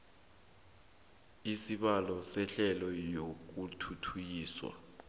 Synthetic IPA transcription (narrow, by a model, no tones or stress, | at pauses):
isiɓalɔsɛɬɛlɔjok̬utʰutʰujiːswa̰